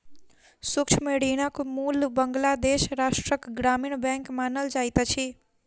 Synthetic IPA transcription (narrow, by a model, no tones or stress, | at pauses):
sukt͡ʃʰmeɽiñakmulbəŋɡlad̪eʃɾaʃʈɾəkɡɾamiɳbɛ̃ŋkmanəld͡ʒajt̪t͡ʃʰi